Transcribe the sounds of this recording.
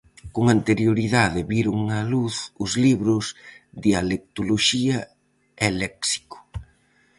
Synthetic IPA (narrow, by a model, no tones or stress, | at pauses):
koŋant̪eɾjoɾiðaðɪβiɾʊŋɐluθʊzliβɾʊsðialek̚t̪oloʃiɐ | ɛlɛksi̥kʊ̥